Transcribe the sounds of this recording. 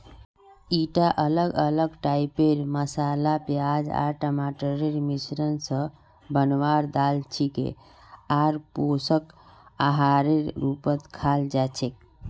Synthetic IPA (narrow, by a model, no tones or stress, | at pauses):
iʈaʔələɡələɡʈaipeɾməsalapjad͡ʒa̰ɾʈəmaʈəɾeɾmisɾənsə̃ | bənwaɾd̪alt͡ʃʰikḛ | aɾposəkaɦaɾeːupət̪kʰald͡ʒat͡ʃʰek̚